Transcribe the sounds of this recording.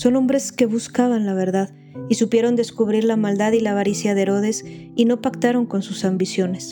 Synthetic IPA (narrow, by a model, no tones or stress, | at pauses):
so̞no̞mbɾe̞ske̞βuskaβanlaβ̞e̞ɾðað | isupje̞ɾo̞nd̪e̞skuβ̞ɾiɾlamald̪aðilaβaɾisjaðeɾo̞ð̞e̞s | ino̞pakt̪aɾo̞ŋko̞nsusambisjo̞ne̞s